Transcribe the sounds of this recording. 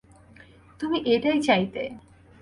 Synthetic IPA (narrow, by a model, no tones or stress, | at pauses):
t̪umiʔeʈajt͡ɕajt̪e